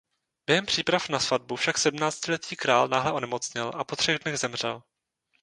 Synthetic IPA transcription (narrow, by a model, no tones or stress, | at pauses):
b̥jɛɦɛmpr̝̥iːpɾafnasvad̚bufʃaksɛdm̩naːt͡scɪlɛt̪iːkɾaːlnaːɦlɛʔo̞nɛmo̞t͡sɲɪlʔapo̞t̪r̥ɛɣdnɛɣzɛmr̝̥ɛ̰l